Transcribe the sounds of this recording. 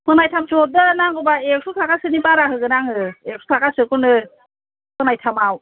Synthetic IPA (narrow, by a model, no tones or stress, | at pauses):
pɯnajtʰamsɔdɯnaŋubaek̚sutʰakasɯnibaɾaɦɯɡɯnaŋɯek̚su̥tʰakasɯkunɯ | pʰɯnajtʰamaw